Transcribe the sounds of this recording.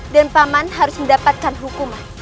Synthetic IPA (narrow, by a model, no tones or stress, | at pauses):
danpamanɦaɾʊsməndapat̪̚kanɦukuma